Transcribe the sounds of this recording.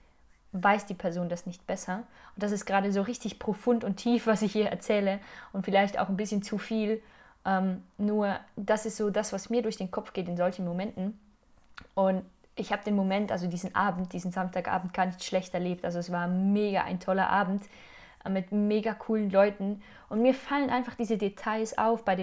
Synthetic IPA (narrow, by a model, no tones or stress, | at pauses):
vaɪsd̥iːpʰɛɐzoːndasnɪçt̚b̥ɛsɐʔʊnt̚d̥as̬ɪstɡ̥əʁaːɾəzoːʁɪçtɪçpʁ̥ofʊntʊntʰːiːfv̥asɪçhiːɐʔɛɐt͡sɛːləʔʊntfɪlaɪçta̰ʊxnbɪsçənt͡sufiːl | ʔɛːmnuːɐd̥asɪstz̥oːdasv̥asmiːɐɾʊɐçd̥eːnkʰɔp͡fɡ̥eːtɪnzɔlçn̩momɛntn̩ | ʔʊnt | ʔɪçhaːbədeːnmomɛntʔalzodiːzn̩ʔaːbm̩t̚d̥iːzn̩zamstʰaːkʔa̰ːbm̩t̚ɡ̥aːɐnɪçtʃlɛçtɛɐleːp̚tʔalzoɛsv̥aːɐmeːɡaʔa̰ɪntʰɔlɐ̰ʔaːbm̩t | ʔmːɪtmeːɡakʰuːlənlɔʏtn̩ | ʔʊntmiːɐfalənʔaɪnfaχd̥iːzədetʰaɪsʔa̰ʊfb̥aɪɾeː